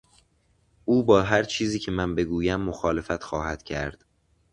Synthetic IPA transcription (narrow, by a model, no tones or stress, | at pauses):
ʔuːbɒːɦæɾt͡ʃʰiːziːcʰe̞mænbe̞ɡuːjæmːoxɒːle̞fæt̪xɒːɦæd̪̥cʰæ̰ɾd̪̥